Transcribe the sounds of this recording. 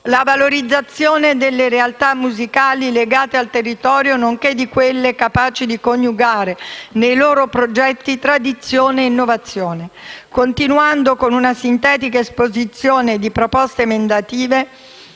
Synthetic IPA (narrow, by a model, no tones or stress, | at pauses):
lavaloɾid̪zːat̪sːjoːned̪elːeɾealt̪amːuzikaːlileɡaːt̪ealt̪erːit̪ɔːɾjonoŋked̪ikwelːekapaːt͡ʃid̪ikonjuɡaːɾenejloːɾopɾod͡ʒɛt̪ːit̪ɾad̪it̪sːjoːneinːovat̪sːjoːnekont̪inuand̪okonunasint̪ɛːt̪ikaespozit̪sːjoːned̪ipɾopɔst̪emend̪at̪iːve